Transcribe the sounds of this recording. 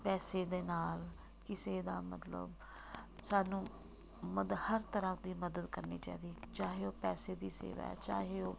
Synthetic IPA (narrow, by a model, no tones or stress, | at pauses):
pɛːseːd̪eːnaːl | kɪseːd̪a̰ːmə̰t̪lə̰b | saːnũː | məd̪həɾt̪əɾãd̪iːməd̪əd̪kəɾnḭːt͡ʃa̰ːiːd̪iːt͡ʃaːɦeːoːpɛːseːd̪iːsḛːʋa̰ːɛ̰t͡ʃa̰ːɦeːoː